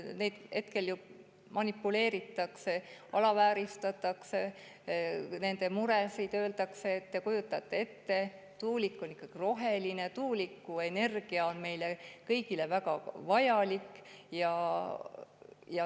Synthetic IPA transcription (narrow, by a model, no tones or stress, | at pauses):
nejd̪he̞t̪ke̞lju | mɑnipːˑule̞ːɾit̪ːˑɑkse̞ɑlɑvæːɾist̪ɑt̪ːˑɑkse | ne̞nd̪e̞muɾesid̪ø̞ːld̪ɑkse̞ːt̪ːekujut̪ːˑɑt̪ˑːe̞e̞t̪ːe̞ | t̪uːlikːˑonikˑːɑɡ̥iro̞ɦe̞line̞t̪uːlikːue̞ne̞rɡ̥iɑonme̞jlekɤjɡ̥ile̞væɡɑvɑjɑlikːjɑ | jɑ